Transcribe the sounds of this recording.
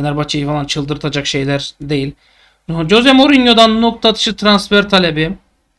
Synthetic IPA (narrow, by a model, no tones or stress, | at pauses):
nʲæɾbat͡ʃʰajɯfalˠant͡ʃʰɯlˠd̪ɯɾt̪ʰad͡ʒakʃe̞jlʲæɾd̪e̞jilʲ | d͡ʒozɛmoɾinjo̞d̪annːuk̚t̪ʰat̪ʰɯ̥ʃɯt̪ʰɾansfæɾt̪ʰalʲebɪ